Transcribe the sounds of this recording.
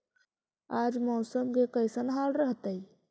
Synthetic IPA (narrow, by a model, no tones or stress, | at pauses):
aːd͡ʒmɔːsəmɡekəɪsənɦaːlɾəɦt̪əi